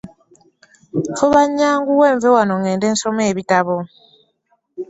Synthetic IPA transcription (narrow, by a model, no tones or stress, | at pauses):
toβaɲːaːŋɡuweːɱvewanoŋeːndeːnsomeːβitaβo